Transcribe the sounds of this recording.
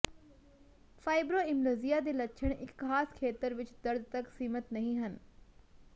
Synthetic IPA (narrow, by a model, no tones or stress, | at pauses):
faːɪbɾoːɪ̃mloːzijad̪eːlɐtːʃʰəɽ̃ɪkxaːskʰeːt̪əɾʋɪt͡ʃd̪ɐɾd̪̚ʱt̪ɐksiːmət̪nɐɦĩɦən